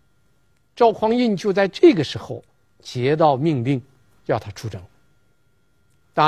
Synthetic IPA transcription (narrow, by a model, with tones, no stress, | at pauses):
ʈ͡ʂɑ˥˩ʊkʰwɑ˥ŋi˥˧nt͡ɕjo˥˧ʊt͡sa˥˧ɪʈ͡ʂɤ˥˩ɡə˩ʂɻ̩˧˥xo˧ʊ | t͡ɕjɛ˧˥t̪̬ɑ˥˧ʊmi˥˧ŋli˥˧ŋ | jɑ˥˩ʊt̪ʰa˥ʈ͡ʂʰu˧˥ʈ͡ʂɤ˨˩ŋ | t̪a˥